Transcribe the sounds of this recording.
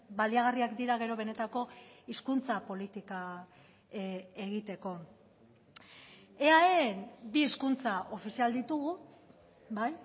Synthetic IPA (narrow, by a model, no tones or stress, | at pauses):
baliaɣ̞ariakd̪iɾaɣ̞e̞ɾo̞β̞e̞ne̞t̪ako̞iskunt͡sapo̞lit̪ika | e̞ɣ̞it̪e̞ko̞ | eaeenbieskunt͡saʔo̞fisiald̪it̪uɣ̞u | baj